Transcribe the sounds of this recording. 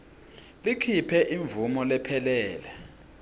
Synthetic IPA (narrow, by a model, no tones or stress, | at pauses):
likʰipʰɛʔiɱvumɔlɛpʰɛlɛːlɛ